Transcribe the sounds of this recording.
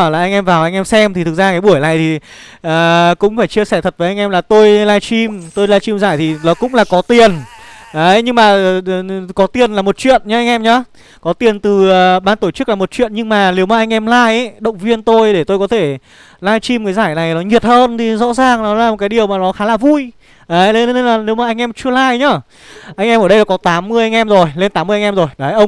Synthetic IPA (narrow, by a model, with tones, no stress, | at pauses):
laː˨˩ʔa˧jŋ̟ʔɛ˧mvaː˨˩wʔa˧jŋʔɛ˧msɛ˧mt̪ʰi˨˩ɨ˨˩k̚zaː˧kaː˨˦jɓu˧˩əjna̰˨˩jt̪ʰi˨˩ʔəː˨˩kʊ̰˧˥ŋ͡mfaː˧˩jt͡ɕi˧əsɛ˧˩t̪ʰə˨˩t̚vəː˨˦ʔa˧ŋ̟ʔɛ˧mlaː˨˩t̪o˧jlaː˧jt͡ɕi˧mt̪o˧jlaː˧jt͡ɕi˧mzaː˧˩jt̪ʰi˨˩nɔ˨˦kʊ̰˧˥ŋ͡mlaː˨˩kɔ˨˦t̪i˨˩ənʔəː˨˦ɲɨ˧ŋmaː˨˩˨kɔ˨˦t̪i˨˩ənlaː˨˩mo˨˩t̚t͡ɕwḭ˧˨ənɲa˨˦ʔa˧jŋ̟ʔɛ˧mɲɔ˨˦ | kɔ˨˦t̪i˨˩ənt̪ɨː˨˩˨ɓaː˧nt̪o˧˩t͡ɕɨ˦˥k̚laː˨˩mo˨˩t̚t͡ɕwḭ˧˨ənɲɨ˧ŋmaː˨˩ne˨˦wmaː˨ʔa˧jŋ̟ʔɛ˧mlaː˧jʔɗə̰˧˨wŋ͡mvi˧ənt̪o˧jɗe˧˩t̪o˧jkɔ˨˦t̪ʰe˧˩ | laː˧jt͡ɕi˧mkaː˨˦jzaː˧˩jna˨˩jnɔ˨˦ɲi˨˩ət̚həː˧nt̪ʰi˨˩zɔ̰˧˥zaː˨˩ŋnɔ˨˦laː˨˩mo˨˩t̚kaː˨˦jɗi˨˩əwmaː˨˩nɔ˨˦xaː˨˦laː˨˩vu˧j | ʔəː˨˦jlnlaː˨˩ne˨˦wmaː˨˩ʔa˧jŋ̟ʔɛ˧mt͡ɕɨ˧əlaː˧jɲɔː˧˩ | ʔa˧jŋʔɛ˧mə˧˩ɗə˧˨ɔ˨˦kɔ˨˦t̪aː˨˦mːɨ˧əjʔa˧jŋ̟ʔɛ˧mzo˨˩jle˧nt̪aː˨˦mː˧əʔŋ̟ʔɛ˧mzo˨˩jɗaː˨˩jʔə˧wŋ͡m